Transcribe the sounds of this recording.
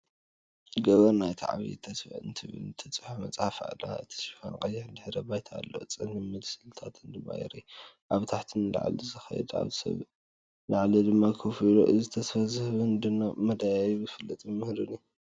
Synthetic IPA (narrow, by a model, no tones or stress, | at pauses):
ɡɐβɐɾnajt̪ʰiʕβḭt̪ʰɐsɨnt̪ʰɨβɨ̰lt̪ʰɐt͡sʼɨħamɐt͡sʼafa̰la̰ɨt̪ʰi̥sfa̰nkʼɐjːɪħɨnd̪ɨħɾɐbajt̪ʰa̰ːlːo̰t͡sʼɨnɨmɨd̪sɨlt̪ʰat̪ʰɨnd̪ɨma̰jɛ̰ɾiʔaβt̪ʰaħt̪ʰɨnla̰ʕ̰lizɨxɐ̰jɛ̰d̪a̰βzɨsɐ̰β | laʕlid̪ɨmːakʰofilo̰ʔɨzɨt̪ʰɐsfɐzhβɨnd̪ɨnːamɐd̪ajajbɨfɨlːɐt̪ʼɨmɨhɾɨni